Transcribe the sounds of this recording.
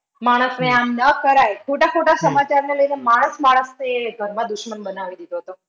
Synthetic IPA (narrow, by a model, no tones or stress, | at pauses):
maɽ̃əsʋeannəkəɾajkʰoʈakʰoʈasəmat͡ʃaɾneləjnemaɽ̃əsmaɽ̃əseɡʱəɾmãd̪uʃmənbənaʋid̪id̪oɦət̪o